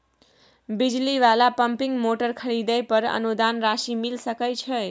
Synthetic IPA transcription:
bid͡ʒliʋalapəmpiŋɡmoʈəɾkʰəɾid̪əjpəɾə̰nud̪anɾasimilsəkət͡ʃʰə

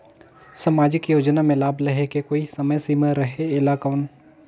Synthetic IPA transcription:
samaːd͡ʒɪkjoːd͡ʒnamẽlaːblɐɦekekoːisɐməjsiməɾəɦeeːlaːkan

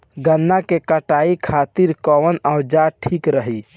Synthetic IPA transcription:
ɡənːakekəʈaikʰat̪iɾkɔwənaʊd͡ʒaʈʰiːkɾəɦi

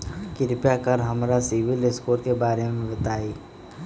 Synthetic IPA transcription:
kɪɾɪpjakəɾɦɐmɾasɪʋɪlɪskoːɾkebaːɾemẽbɪt̪aːiː

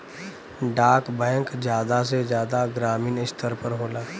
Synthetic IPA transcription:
ɖaːkbəjə̃ŋkd͡ʒjaːd̪as̬ed͡ʒjaːd̪aɡɾaːmiːnɪst̪əɾpəɾɦoːlaː

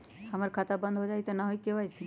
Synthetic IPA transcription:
həməɾkʰat̪abənd̪ʱɦod͡ʒaːit̪ɔnaɦoikeʋajsʰi

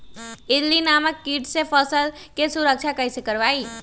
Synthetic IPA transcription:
ɪdlinaːməkːiːʈsepʰəsəl | kesʊɾəkʃakəɪsekəɾʋaːiː

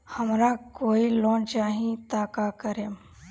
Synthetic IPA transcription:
həmɾakoːiloːnt͡ʃaːɦĩt̪aːkakəɾem

